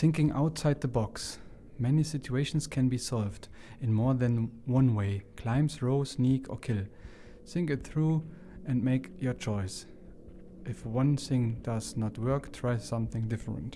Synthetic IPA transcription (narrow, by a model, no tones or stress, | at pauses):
θɪ̃ŋkɪ̃ŋʔa̰ʊtsaɪd̪̚ðəbɑks | mɛnisɪt͡ʃueɪʃn̩skʰɨ̃nbisɑlˠvd | ɨ̃nmɔɹðɨ̃nwʌ̃nweɪkʰl̥ãɪ̃msɹoʊsnikʰə̰˞kʰɪlˠ | sɪ̃ŋkɨt̪̚θɹu | ʔɨ̃nmeɪkjə˞t͡ʃʰɔɪs | ʔɨfwʌ̃nθɪ̃ŋdʌznət̚wɜ˞ktʰɹ̥aɪsʌ̃mθɪ̃ŋdɪfɹə̰̃nt